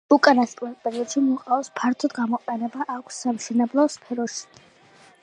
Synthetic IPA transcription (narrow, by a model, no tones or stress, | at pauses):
ukʼanast̪ʼlɛt̪̚pʼɛɾiɔd̪̥ʃimɔqʼaɔspʰaɾt̪ʰɔd̪ɡamɔqʼɛnɛbaʔakʷʰsːamʃɛnɛblˠɔspʰɛɾɔʃi̥